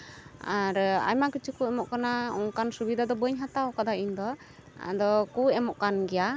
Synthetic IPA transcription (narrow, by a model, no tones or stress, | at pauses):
aɾa̰jmakit͡ʃikuɛmɔʔkanauŋkansubid̪ad̪ɔbəɲɦat̪awkad̪aiɲd̪ɔ̰ | d̪ɔkuɛmɔʔkanɡɛja